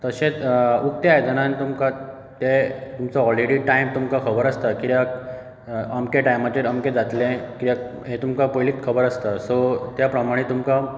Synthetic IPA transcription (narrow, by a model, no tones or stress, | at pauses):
t̪əɕẽt͡sukt̪jaed͡zəɽ̃ãnt̪umka | t̪et̪umt͡sɔɔlɾeɽiːʈajmt̪umkakʰəbəɾəst̪akit̪jak | əmkeʈajmat͡ɕeɾəmked͡zat̪lẽkit̪ak | ɦẽt̪umkapojliːt͡s̪kʰəbəɾəst̪əsot̪japɾəmaɽ̃it̪umka